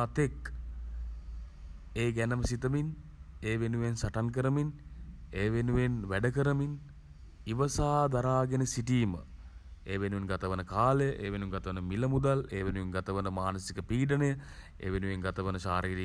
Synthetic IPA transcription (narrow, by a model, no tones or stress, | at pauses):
at̪ek | eːɡænəməsit̪əmineːʋenuʋensaʈank̬əɾəmineːʋenuʋenʋæɖəkəɾəmin | iʋɐsaːd̪aɾaːɡenəsiʈiːmə̰ | eːʋenuʋenɡat̪əʋənəkaːlejəʔeːʋenuŋɡat̪əʋənəmiləmud̪aleːʋenuʋenɡat̪əʋənəmaːnəsikəpiːɖənəjə | ḛːʋenuʋeŋɡat̪əʋənəʃa̰ːɾiːɾi